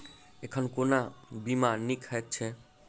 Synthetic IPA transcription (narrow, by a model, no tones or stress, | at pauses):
ekʰənkonabimanikʰɦɛk̚t͡ʃʰɛ